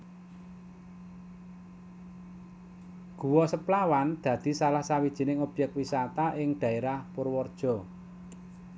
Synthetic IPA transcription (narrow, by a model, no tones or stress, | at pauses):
ɡ̥ṳwɔsəplawand̪̥ä̤d̪̥i̤salahsawid̥ʒ̥i̤nɪŋɔb̥jɛk̚t̪̚wisat̪aʔɪŋɖ̪̥ä̤eɾahpʊrwɔrd̥ʒ̥ɔ̤